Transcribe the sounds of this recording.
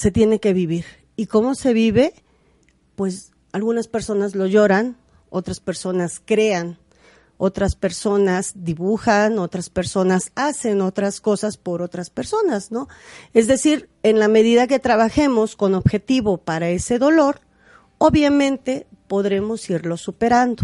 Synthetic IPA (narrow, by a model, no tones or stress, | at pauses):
se̞t̪je̞ne̞ke̞βiβiɾ | iko̞mo̞se̞β̞iβe̞ | pwe̞s | alɣunaspe̞ɾso̞nazlo̞ʝo̞ɾan | o̞̰t̪ɾaspe̞ɾso̞naskɾe̞an | o̞t̪ɾaspe̞ɾso̞nazd̪iβuxano̞t̪ɾaspe̞ɾso̞nasase̞no̞t̪ɾasko̞saspo̞ɾo̞t̪ɾaspe̞ɾso̞nasno̞e̞zðe̞siɾ | enlame̞ðiðak̬e̞t̪ɾaβaxe̞mo̞sko̞no̞βxe̞t̪iβo̞paɾae̞se̞ðo̞lo̞ɾ | o̞βjamẽ̞nt̪e̞po̞ðɾe̞mo̞siɾlo̞supe̞ɾand̪o